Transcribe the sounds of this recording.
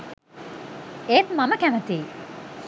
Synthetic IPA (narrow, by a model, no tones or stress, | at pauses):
eːt̪mɐmɐkæmət̪iː